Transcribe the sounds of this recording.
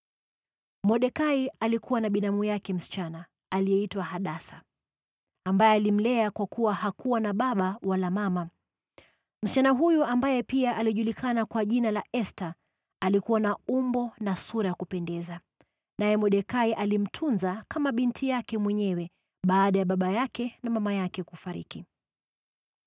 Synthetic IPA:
mɔɗɛkaialikʰuwanaɓinamujakɛm̩si̥t͡ʃanaː | lijɛitwahaɗasa | ambajɛalim̩lɛakwakuwahakuwanaɓaɓawalamama | m̩si̥t͡ʃanaɦujuʔambajɛpiaʔaliʄulikanakwaʄinalaʔɛsta | alikuwanaumbɔnasuɾajakupɛndɛza | najɛmɔɗɛkaiʔalim̩tʰunzakamaɓintʰijakɛmwɛɲɛwɛ | ɓaːɗajaɓaɓajakɛnamamajakɛkufaɾḭki

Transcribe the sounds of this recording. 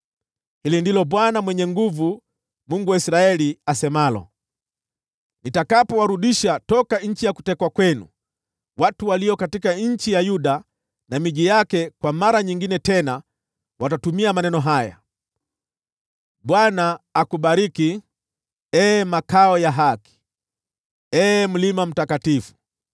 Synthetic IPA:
hilindilɔɓwanamwɛɲɛŋɡuvu | muŋɡuwaisɾaɛliasɛmalɔ̰ | nitakapɔwaɾuɗiʃatɔkaɲ̩t͡ʃijaku̥tɛkwakwɛnṵ | watuwaliɔkatikaɲ̩t͡ʃijajuɗa | namiʄijakɛkwamaɾaɲiŋɡinɛtɛna | watatumiamanɛnɔɦaja̰ | ɓwanaːkuɓaɾiki | ɛmakaɔjaɦaki̥ | ɛm̩limam̩takatifu̥

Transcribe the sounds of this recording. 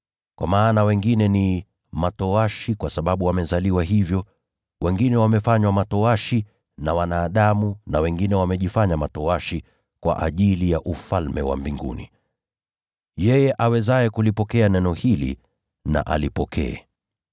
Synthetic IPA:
kwʔa̰maːnawɛŋɡinɛni | matɔaʃikwasaɓaɓuwamɛzaliwaɦivjɔ | wɛŋɡinɛwamɛfaɲwamatɔaʃi | nawanaːɗamunawɛŋɡinɛwamɛʄifaɲamatɔaʃi | kwa̰ʔa̰ʄilijaʔufalmɛ̰wa̰mbiŋɡṵnḭ | jɛjɛʔawɛzajɛkulipɔkɛanɛnɔhilḭ | na̰ʔa̰lipɔkʰɛ̰ɛ̰

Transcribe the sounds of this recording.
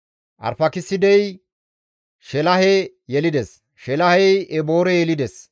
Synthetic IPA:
ʔɐ̰ɾfɐkɪsːɪd̪ɛj | ʃɛlɐhɛ | jɛlɪd̪ɛs | ʃɛlɐhɛjɛbo̞ːɾɛjɛlɪd̪ɛs

